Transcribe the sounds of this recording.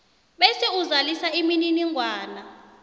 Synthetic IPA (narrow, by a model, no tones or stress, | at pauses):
ɓɛsɛuzalisaimininiŋɡʱwaːna